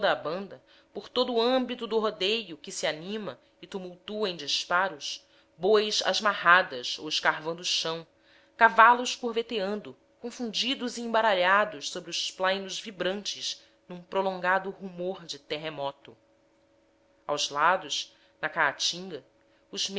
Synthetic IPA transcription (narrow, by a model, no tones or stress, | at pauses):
d̪ɐbɐ̃nd̪ɐ | poɾt̪od̪ʊːɐ̃mbit̪ʊd̪ʊɦod̪ejʊkɪsianĩmɐ | ɪt̪umuwt̪uɐẽd͡ʒispaɾʊʃ | bojʃa̰ʒmahad̪ɐso̰wɪʃkaɦvɐ̃nd̪ʊːʃɐ̃w̃ | kavalʊʃkuɾvet̪eɐ̃nd̪ʊ | kõfũnd͡ʒid̪ʊziẽbaɾaʎad̪ʊʃsobɾiʊʃplãjnʊzvibɾɐ̃nt͡ʃɪz | nũpɾolõŋɡad̪ʊhumoɾd͡ʒɪt̪eɦemɔt̪ʊ | a̰wzlad̪ʊʃ | nɐkaat͡ʃĩŋɡɐ | ʊzm